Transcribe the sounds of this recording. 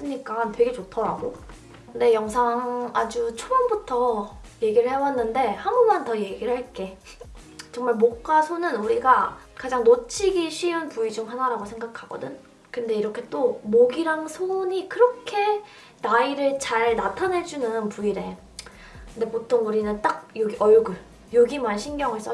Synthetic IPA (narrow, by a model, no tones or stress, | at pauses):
s͈ɯɲik͈antwe̞ɡe̞t͡ɕotʰʌɾaɡo | kɯnde̞jʌŋsʰaŋad͡ʑut͡ɕʰobʌnbutʰʌje̞ɡiɾɯɭhe̞wanːɯnde̞hamumantʌje̞ɡiɭɦaɭk͈e̞ | t͡ɕʌŋmaɭmok͈asʰonɯnuɾiɡakad͡ʑaŋnot͡ɕʰiɡiɕʰiunpuid͡ʑomhanaɾaɡosʰe̞ŋɡakʰaɡ̥ʌ̰dɯ̰n | kɯnde̞iɾʌkʰe̞t͈omoɡiɾaŋsʰoɲikɯɾʌkʰe̞ | naiɾɯɭt͡ɕaɭnatʰanɦe̞d͡ʑunɯnpuiɾe̞ | kɯnde̞potʰoŋuɾinɯnt͈ak̚joɡiʔʌɭɡɯɭ | joɡimanɕʰinɡjʌŋɯɭs͈ʌ